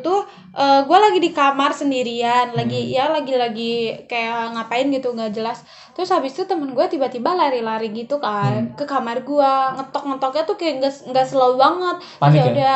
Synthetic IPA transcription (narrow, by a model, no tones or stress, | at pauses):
t̪ʊh | ʔəːɡualaɡidikamarsəndiɾianlaɡijalaɡilaɡikajaŋapaɪnɡit̪uŋɡaʔd͡ʒəlas | t̪ɾʊshabɪst̪ut̪əmənɡuat̪ibat̪ibalaɾilaɾiɡit̪ukakəkamarɡuaŋət̪ɔk̚ŋət̪ɔkɲat̪ukaɡaŋɡasəlaubaŋət̪̚ | aauda